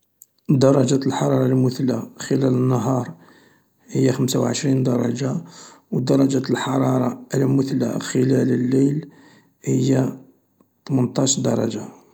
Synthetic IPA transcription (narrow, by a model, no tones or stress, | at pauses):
d̪ɑɾˤɑʒæt̪əlħɑɾˤɑɾˤɑlmʊθlːaxəlælənːəɦɑɾˤ | həjːaxəmsawʕəʃɾind̪ɑɾˤɑ̰ʒa | wd̪ɑɾˤɑd͡ʒæt̪lħɑɾˤɑɾˤɑəlmʊθlːa̰xəlæləlːəjl | həjːa | t̪mənt̪ˤɑʃd̪ɑɾˤɑ̰ʒa